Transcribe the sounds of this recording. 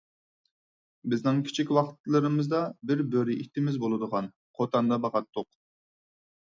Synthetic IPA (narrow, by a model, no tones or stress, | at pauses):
bɪznɪŋkʲʰi̥t͡ʃʰikʲwɑχt̪lˠɨɾɨmɨzd̪ɑbɪɾbøɾiʔit̪ːɪmɪzbolˠɨd̪əʁɑn | qʰot̪ɑnd̪ɑbɑʁɑt̪ʰːʊq